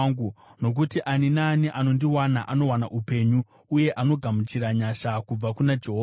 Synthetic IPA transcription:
ɡuno̞k̬utiʔaninaːniʔano̞ndiwanaʔano̞wanaʔupe̞ɲu | uje̞ʔano̞ɡʱamut͡ʃiɾaɲaʃakub͡vakunad͡ʒe̞ɦo

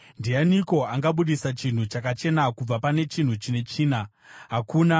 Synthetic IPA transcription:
ndianiko̞aŋɡaɓuɗisat͡ʃin̤ut͡ʃakat͡ʃe̞nakub͡vapane̞t͡ʃin̤ut͡ʃine̞t͡ʃiːna | ɦakuːna

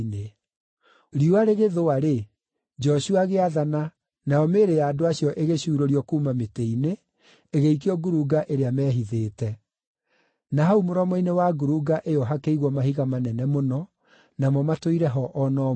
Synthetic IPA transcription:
ne | ɾiwaɾeɣeðoaɾe | d͡ʒɔɕuaɣeaðana | najɔmeːɾejaːdoaɕjɔʔeɣeɕuːɾoɾiɔkuːmameteineː | ɣeik̬iɔɡuɾuɡaʔeɾeamɛːɦiðeːtɛ | naɦaumoɾɔmɔinewaɡuɾuɡaʔejɔɦakeiɣwɔmahiɣamanɛnɛmonɔ | namɔmatoiɾɛɦɔʔɔnɔ

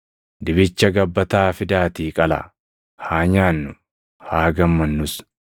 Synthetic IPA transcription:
d̪ɪbɪt͡ʃːɐɡɐbːɐt̪aːfɪd̪aːt̪iːkʼɐla̰ | haːɲaːnːʊ | haːɡɐmːɐnːʊs

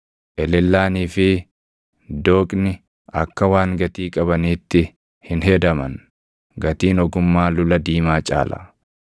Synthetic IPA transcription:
ʔɛlɛlːaːniːfɪ | d̪oːkʼnɪ | ʔɐkːɐwaːŋɡɐt̪iːkʼɐbɐniːt̪ːɪ | hɪnɦɛd̪ɐmɐn | ɡɐt̪iːnɔɡʊmːaːlʊlɐd̪iːmaːt͡ʃʼa̰ːlɐ̰

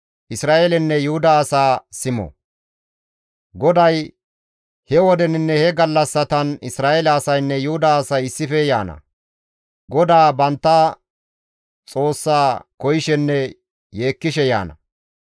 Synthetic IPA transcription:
ʔɪsɾaːʔelɛnːɛjʊhʊd̪ɐːsaːsɪmɔ̰ | ɡɔd̪ɐj | hɛwɔd̪ɛnɪnːɛhɛɡɐlːɐsːɐt̪ɐnɪsɾaːʔeːlɐːsɐjnːɛjʊhʊd̪aːsɐjɪsːɪfɛja̰ːnɐ̰ | ɡɔd̪aːbɐnt̪ːaː | t͡sʼo̞ːsːaːkɔjɪʃɛnːɛ | je̞ːkːɪʃɛja̰ːnɐ

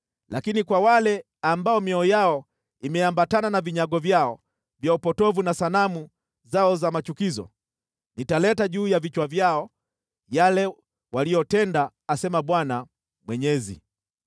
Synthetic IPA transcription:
lʔakinikwawalɛ | ambaɔmiɔjaɔ | imɛambatananaviɲaɡɔvjaɔ | vjaupɔtɔvunasanamu | zaɔzamat͡ʃukizɔ̰ | nitalɛtaʄuːjavit͡ʃwavjaɔ | jalɛ | walijɔtɛndaːsɛmaɓwana | mwɛɲɛzḭ

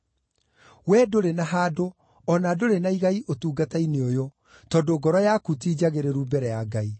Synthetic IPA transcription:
wɛdoɾenaɦaːdo | ɔnadoɾenaiɣaiʔotuːɡataineojo | tɔːdoɡɔɾɔjakutiːd͡ʑaɣeɾeɾubɛɾɛjaɡai

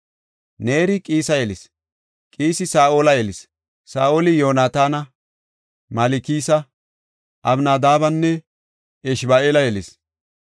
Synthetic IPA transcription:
neːɾɪkʼiːsɐjɛlɪs | kʼiːsɪsaːʔoːlɐjɛlɪs | saːʔoːlɪjoːnaːt̪aːnɐ | mɐlɪkiːsɐ | ʔɐbnaːd̪aːbɐnːɛ | ɛʃbaːeːlɐjɛlɪs

